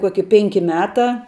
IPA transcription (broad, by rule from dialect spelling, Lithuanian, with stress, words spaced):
ˈkuɔkʲɪ ˈpʲɛŋʲkʲɪ ˈmʲæːˌtɑː